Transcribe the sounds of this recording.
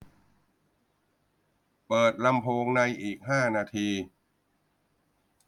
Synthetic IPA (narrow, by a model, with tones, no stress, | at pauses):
pɤː˨˩t̪̚la˧mpʰoː˧ŋna˧jʔiː˨˩k̚haː˥˩naː˧t̪ʰiː˧